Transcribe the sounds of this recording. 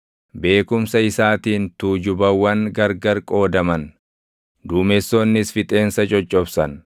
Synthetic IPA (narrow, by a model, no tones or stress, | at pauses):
be̞ːkʊmsɐɪsaːt̪iːnt̪uːd͡ʒʊbɐwːɐŋɡɐɾɡɐɾkʼo̞ːd̪ɐmɐn | d̪uːmɛsːoːnːɪsfɪt̪ʼe̞ːnsɐt͡ʃʼɔt͡ʃʼːɔbsɐn